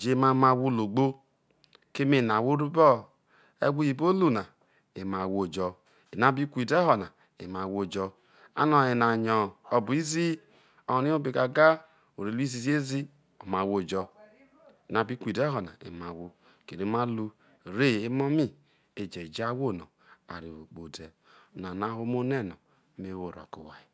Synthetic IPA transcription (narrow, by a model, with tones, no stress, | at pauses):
d͡ʒe˨˦ma˦ma˧˨wu˦lo˨ɡ͡bo˦ | ke˦me˦˨na˨wo˦ɾu˦bɔ˦ | ḛ˦ɡʷu˦ji˨bo˦lu˦na˨ | e˨ma˨wo˦˨d͡ʒɔ˨ | e˨na˦bi˦kʷi˨de˦ɦɔ˨na˨ | ḛ˨ma˨wo˦˨d͡ʒɔ˧ | a̰˦nɔ˨e˨na˨ɲɔ˨ɔ˨bu˨i˦zi˦ | ɔ˨ɔ˨ni˦o˦be˨ka˨ɡa˦ | o˨ɾe˨lu˦i˦zi˨zi˦e˦zi˦ | ɔ˨ma˨wo˦˨d͡ʒɔ˦ | e˨na˨˦bi˦kʷi˨dɛ˦ɦɔ˨na̰˨ḛ˨ma˨wo˦ | ke˨ɾe˨˦ma˦lu˦ | ɾe˦˨e˦mɔ˦mi˦ | e˨d͡ʒe˨d͡ʒa˦wo˦˨nɔ̰˨ | a̰˨ɾi˨o˨k͡po˨dɛ˨ | na˨na˦ho˦mo˦nɛ˦˨nɔ˨˦ | me˦wo˨ɾɔ̰˨ku˨wa̰˨i˨